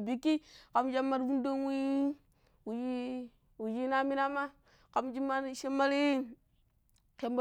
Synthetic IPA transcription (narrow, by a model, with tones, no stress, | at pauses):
bi˨ki˦ka˨md͡ʒa˦mːa˦ɾvu˦ndo˦wi˦ | wu˨d͡ʒi˦ | wu˨d͡ʒi˦na˦mi˦na˦ma˦ | ka˨md͡ʒi˦ma˦nʃe˦ma˦ɾi˦ | ke˨mb